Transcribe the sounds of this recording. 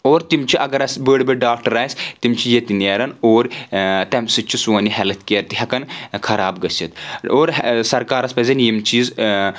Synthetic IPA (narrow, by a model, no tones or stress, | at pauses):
oːɾt̪imt͡ʃʰiʔɐɡɐɾɐsbəːɽbɨɖaːkʈɐɾaːjsʲt̪imt͡ʃʰijet̪ineːɾɐnoːɾt̪ɐmsɨt͡ʃʰisuɐniɦɛlɐt̪keɾt̪iɦɐkɐnkʰɐɾaːbɡɐsʲit̪oːɾsɐɾkaːɾɐspɐzʲɐnjimt͡ʃʰiːz